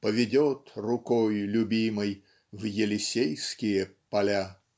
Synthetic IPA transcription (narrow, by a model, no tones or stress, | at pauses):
pəvʲɪdʲot̪rʊkɔjlʲʊbʲimɨj | vjɪlʲɪsʲejskʲɪjəpɐlʲa